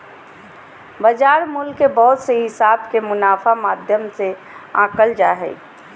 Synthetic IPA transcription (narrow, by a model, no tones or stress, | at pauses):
bəd͡ʒaːɾmʊlkːebɔɦt̪seɦɪsaːbkemʊnaːfʰamaːd̪ʱjəmse | ã̰ːkəld͡ʒaːɦɛ̰ː